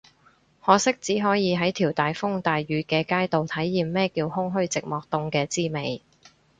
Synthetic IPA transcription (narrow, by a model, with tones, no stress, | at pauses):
hɔː˨sɪ˥k̚t͡siː˨˥ɦɔː˨˥jiː˨˧ɦɐ˨˥jt̪ʰiː˨˩wt̪aː˨jfʊ˥ŋt̪aː˨jɥyː˨˥kɛː˧kaː˥jt̪o˨wt̪ʰɐ˨˥jːiː˨mːɛː˥kiː˧whʊ˥ŋɦɵ˥ɥt͡sɪ˨k̚mɔː˨k̚t̪ʊ˧ŋkɛː˧t͡siː˥me˨˧j